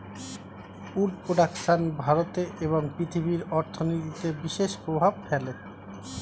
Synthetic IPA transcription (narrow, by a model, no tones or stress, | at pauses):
uɖpɾoɖakʃanbʱaɾot̪eʔeβoŋpɾit̪ʰibiɾɔɾt̪ʰonit̪it̪ebiʃeʃpɾobʱabfʰɛle